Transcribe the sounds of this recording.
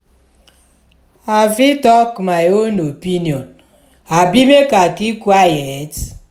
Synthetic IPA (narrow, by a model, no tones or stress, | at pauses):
avitɔkmajonopiniɔn | abimekakikwajet